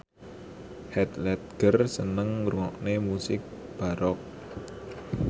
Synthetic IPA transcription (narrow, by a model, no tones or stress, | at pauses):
hɛt̪lɛt̪̚ɡ̥ərsənəŋruŋɔk̚nemusɪk̚ | b̥a̤ɾɔk̚